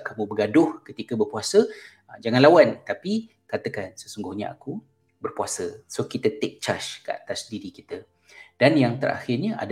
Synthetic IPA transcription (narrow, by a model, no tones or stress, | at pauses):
kamũbəɡadʊhkət̪ikəbərpuasə | d͡ʒaŋãnlawant̪api | kat̪əkansəsuŋɡʊhɲa̰a̰ku | bərpuasəsokit̪ət̪ɛk̚t͡ʃaʃkəa̰t̪asdiɾikit̪ə | d̥anjaŋt̪əɾa̰xɪrɲaʔa̰d